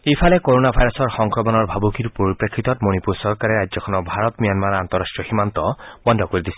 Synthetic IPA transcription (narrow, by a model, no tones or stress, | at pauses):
ejpʰalɛkoɹonabʱajɹɔsɔɹxɔŋkɹɔmɔnɔɹbʱabukiɹpoɹipɹekʰːit̪ɔtmonipuɹsɔɹkaɹɛɹajzɔkʰɔnɔbʱaɹɔtmijanmaɹant̪ɔɹastʈɹɔximant̪ɔbɔndʱɔkoɹid̪isɛ